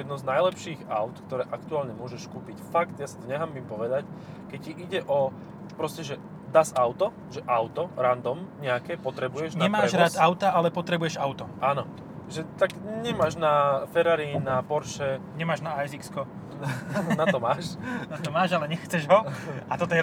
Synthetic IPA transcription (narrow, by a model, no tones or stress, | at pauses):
ɛd̪nɔznajlɛpʃiːɣaʊt̪kt̪ɔɾɛːʔakt̪uaːlɲɛmʊɔʒɛʃkuːpicfakt̪jasit̪ɔɲɛɦaːmimpɔʋɛd̪ac | kɛcciʔiɟɛʔɔ | pɾɔscɛʒɛ | d̪aːsaʊt̪ɔ | ʒɛʔaʊt̪ɔɾand̪ɔmɲɛakɛːpɔt̪ɾɛbujɛʒɲɛmaːɛʒɾaːt̪aʊt̪aʔalɛpɔt̪ɾɛbujɛʒaʊt̪ɔʔaːnɔ | ʒɛt̪akɲɛmaːʒnafɛɾaɾinapɔɾʃɛɲɛmaːʒnaajzikskɔ | nat̪ɔmaːʃnat̪ɔmaːʒalɛɲɛxt͡sɛʒɦɔat̪ɔt̪ɔjɛ